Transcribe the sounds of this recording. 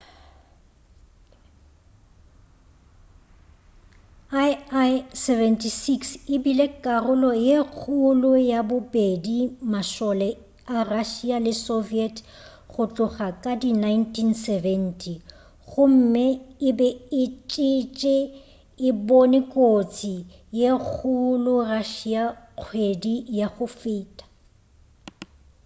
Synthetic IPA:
a | sɛvɛntʰʼisiksɪbilekʼarʊlɔjek͡xʰulʊjabʊbedimaʃɔlɛ | araʃialɪsoviɛtʰ | ɣʊt͡ɬʼʊχakʼadinajntʰinsɛvɛn̩tʰi | ɣʊm̩mɪɪbɛɪt͡ʃʼɪt͡ʃʼɪ | ɪbonɪkʼot͡sʰi | jek͡xʰulʊraʃiaq͡χʰwedijaɣʊfɪːtʼḁ

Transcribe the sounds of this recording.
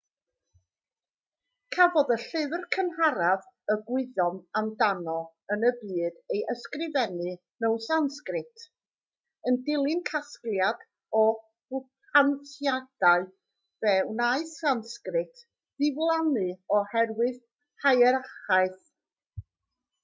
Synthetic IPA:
kʰavɔðəɬɪvrkʰənhaɾav | əɡwɪðɔnamdanɔ | ənəbiːdejʔəskrɪvɛnɨ | nəwnsanskrɪtʰ | əndɪlˠɪnkʰasklˠjad | ɔ | ʊp̚ʰ | antjad̥aɨ | v̥ɛwnaɨsanskrɪtʰ | ð̥ɪvlˠanɨɔhɛrwɨð | hajɛɾaχaɨθ

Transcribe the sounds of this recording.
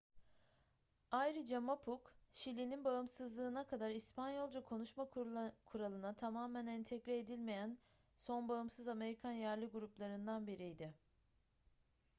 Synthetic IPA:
ajɾɯd͡ʒamapʰukʃilʲininbaɯmsɯzlˠɯːnakʰad̪aɾispʰanjo̞lˠd͡ʒakʰo̞nuʃmakʰuɾalˠɯnat̪ʰamaːmænɛnt̪ʰɛcɾɛed̪ilʲme̞jæn | so̞nbaɯmsɯzame̞ɾikʰanjæɾlʲiɡuɾuplˠaɾɯnd̪anbiɾijd̪ɪ

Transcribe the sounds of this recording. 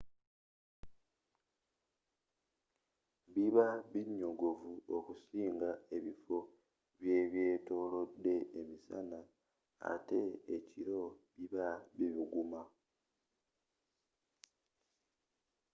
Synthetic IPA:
βiβaβiɲːo̞ɡo̞vuokusiːŋɡae̞βifo̞ | βje̞ːβje̞ːto̞ːlo̞dːe̞ːmisa̰na | a̰te̞ːciɾo̞βiβaβiβiɡuma

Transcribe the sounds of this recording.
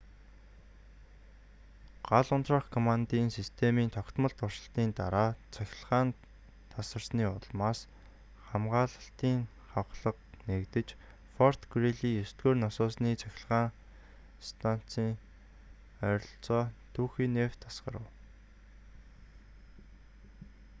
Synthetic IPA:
ɢ̥aɮʊnt̪raːχkʰɔmant̪iːnsist̪ʰemiːnt̪ʰɔkt̪mə̆ɬt̪ʊrʃə̆ɬt̪iːnt̪aɾaːt͡sʰæxʲɪ̆ɮʁaːn | t̪ʰasə̆rsniːʊɮmaːs | χamɢaːɮə̆ɬt̪iːŋ | χawχɮə̆qnekt̪ɘ̆t͡ɕ | fɔr̥t̪ɡreɮiːjɵst̪ɡoːrnɔsʊːsniːt͡sʰæxʲɪ̆ɮʁaːŋ | st̪ʰan̥t͡siːŋ | œɾɞ̆ɬt͡sɔːt̪ʰuːxiːnːew̥t̪ʰːasɢə̰̆ɾə̆w

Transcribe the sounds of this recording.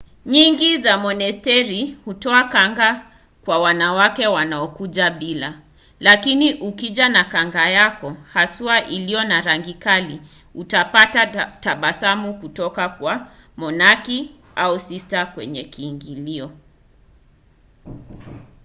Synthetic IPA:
ɲiŋɡizamɔnɛstɛɾihutɔakaŋɡa | kwawanawakɛwanaɔkuʄaɓila | lakiniʔukiʄanakaŋɡajakɔhasuaʔilijɔnaɾaŋɡikali | utapatataɓasamukutɔkakwa | mɔnaki | ausistakwɛ̰ɲɛkiːŋɡiliɔ

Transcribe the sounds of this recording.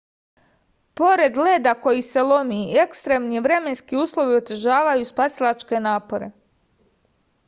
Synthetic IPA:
po̞ɾe̞d̪leːd̪ako̞jise̞lo̞miekst̪ɾemniʋɾe̞me̞nskiuːslˠo̞ʋio̞t̪eʒaːʋajuspasilˠat͡ʃke̞naːpo̞ɾe̞̰

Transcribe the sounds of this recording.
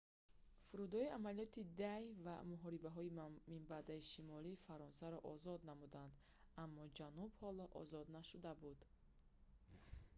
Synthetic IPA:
fuɾud̪ɔiamalijɔt̪id̪ajva̰muɦɔɾibaɦɔimimbad̪aiʃimɔlifaɾɔnsaɾɔʔɔzɔd̪namud̪and̪ | amːɔd͡ʒanubhɔlɔʔɔ̰zɔd̪naʃud̪abud̪

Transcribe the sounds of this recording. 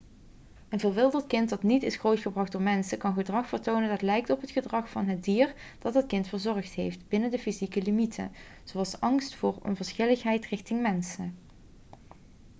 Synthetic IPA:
ənvɪlˠʋɪlˠdəɹtkɪntdɑtnitɪsχowtχəbrɑχd̥ʊːɹmɛnsəkɑnχədrɑχfərtownəndɑtlɛjk̚tɔpɦətχədrɑχfɑnɦətdiːrd̥ɑd̚ɑtkɪntfəɹzɔɹχtɦejftbɪnəndəfizikəlimitʰə̰ | z̥owɑlˠsʔɑŋstfʊːrɔ̰nvəɹsχɪləχɦɛjtrɪxtɪŋmɛnsə

